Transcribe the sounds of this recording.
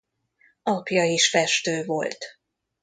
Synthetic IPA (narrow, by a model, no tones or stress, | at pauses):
ɒpjɒiʃfɛʃt̪øːvo̞lt̪